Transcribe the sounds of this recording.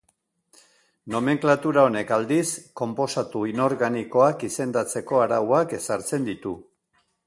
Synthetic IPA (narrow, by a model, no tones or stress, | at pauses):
no̞me̞ŋklat̪uɾaone̞kald̪isko̞mpo̞sat̪uino̞ɾɣaniko̞akise̞nd̪at͡se̞ko̞aɾawake̞saɾt͡se̞nd̪it̪u